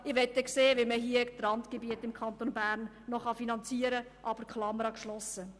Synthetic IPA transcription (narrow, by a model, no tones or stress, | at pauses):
ɪʋɛtːɛkseːʋiməɦiət̪rɑntkebiətɪmkʰɑnt̪onbæːɾnːɔχɑfinɑnt͡siːəɾə | ʔɑːb̥əɾkʰlɑməɾɑkʃlɔsːə